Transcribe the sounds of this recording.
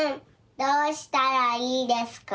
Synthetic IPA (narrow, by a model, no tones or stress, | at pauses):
dəstaɾalidɛsk